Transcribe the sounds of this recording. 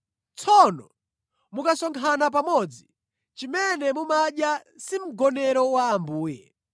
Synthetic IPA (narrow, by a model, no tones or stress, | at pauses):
t͡sʰɔnɔ | mukasɔŋkʰanap̬amɔd͡zi | t͡ʃimɛnɛmumaɗjasim̩ɡɔnɛɾɔwaːmbuːjɛ